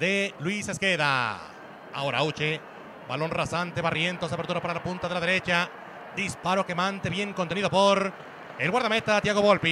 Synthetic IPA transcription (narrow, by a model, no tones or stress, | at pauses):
d̪elwise̞skeða̰ | a̰o̞ɾa̰ut͡ʃe | balo̞nrasant̪eβarje̞nt̪os̬aβeɾt̪uɾapaɾalapunt̪aðelaðeɾe̞t͡ʃa | d̪ispaɾokemant̪eβjeŋkont̪eniðopoɾ | elɣwaɾðamet̪at̪jaɣo̞βolpi